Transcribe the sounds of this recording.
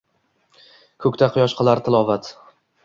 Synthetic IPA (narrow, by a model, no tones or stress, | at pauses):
kʰɵkʲt̪ʰaqʰʊjɒʃqʰɨlˠaɾt̪ʰɪlˠɒvat̪